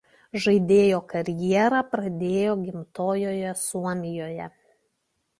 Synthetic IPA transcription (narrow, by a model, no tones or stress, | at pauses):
ʒɐɪd̪ʲeːjoːkɐɾʲjiɛɾɑpɾɐd̪ʲeːjoːɡʲɪmt̪oːjoːjɛsuɔmʲɪjoːjɛ